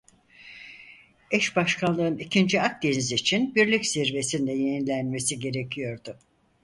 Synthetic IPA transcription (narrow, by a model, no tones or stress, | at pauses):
ɛʃbaʃkʰanlˠɯɯnicʰind͡ʒiak̚d̪eniziːt͡ʃʰinbiɾlʲicsiɾve̞sind̪ɛjeninlʲænme̞siɟe̞ɾe̞cʰijo̞ɾd̪ʊ